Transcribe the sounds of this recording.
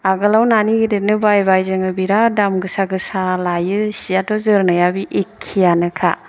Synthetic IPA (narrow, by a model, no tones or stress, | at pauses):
aɡɯlawnaniɡidet̚nɯbajbajzɯŋɯbiɾadamɡɯsaɡɯsalajɯsijadɔzɯɾnɯjabiʔekʰːijanɯkʰa̰